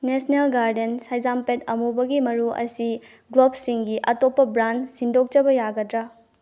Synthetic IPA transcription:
nesnelɡaɾdensajzampetɐmubɐɡimɐɾuɐ̰si | ɡlob̚siŋɡiʔɐtopːɐbɾansindok̚t͡ʃɐbɐjaɡɐdɾa

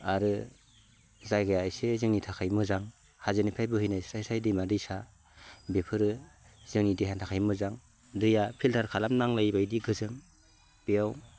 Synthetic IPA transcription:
aɾɯ | zajɡajaːjsezɯŋnitʰakʰajmɯzaŋ | hazɯnipʰajbɯhɯjnajsajsajdɯjmadɯjsa | bepʰɯɾɯ | z̥ɯŋnidiɦantʰakʰajmɯzaŋ | dɯjapʰiltʰaɾkʰalamnaŋlajbajdiɡɯzɯŋ | b̥eaw

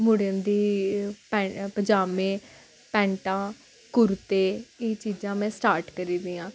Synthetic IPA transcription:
mʊɽənd̪iːpɛ̃pəd͡ʒaːʋẽː | pɛ̃ːɳʈãː | kʊɾt̪eːeːt͡ʃiːd͡ʒãːmɛ̃ːsʈaːɾʈkəɾiːd̪ĩːãː

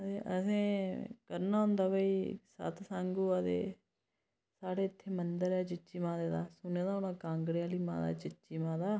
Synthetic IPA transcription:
t̪eːʔə̰sẽːkəɾnaːɦʊ̃nd̪aːbəiːsə̰t̪ʰsãŋɡuːəd̪ḛː | saːɽeːɪt̪ʰːeːmənd̪əɾɛːt͡ʃɪt͡ʃiːmãːd̪eːd̪aːsʊneːd̪aːʊnãːkãːŋɡɽeaːliːmã̰ːd̪a̰ːt͡ʃɪt͡ʃiːmãːd̪aː

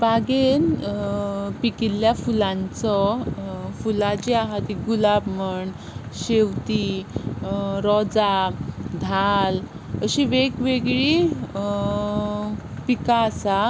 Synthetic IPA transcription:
baɡen | pikiljafulãnt͡sɔ | fulad͡ʑiaɦat̪iɡulabməɳ | ɕeʋt̪i | ɾɔd͡zad̪ʱal | əɕiʋekʋeɡɭi | pikaːsa

